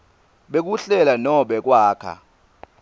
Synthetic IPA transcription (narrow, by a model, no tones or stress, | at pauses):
ɓek̬uɬɛlanɔɓɛk̬waːkʰa̰